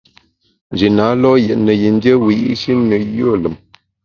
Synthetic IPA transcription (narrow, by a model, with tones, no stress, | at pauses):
n˨d͡ʒi˨na˨˦lɔ˦jɛ˨ʔnə˨ji˨n˦djə˦wi˨jḭ˦ʃi˦nə˨jo˦˨lə˨m